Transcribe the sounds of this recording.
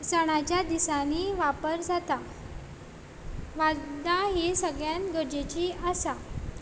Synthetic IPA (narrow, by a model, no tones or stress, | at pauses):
səɽ̃at͡ɕjad̪isaniːʋapəɾd͡zat̪a | ʋad̪aɦesəɡɭjanɡəɾd͡ʑet͡ɕiːəsa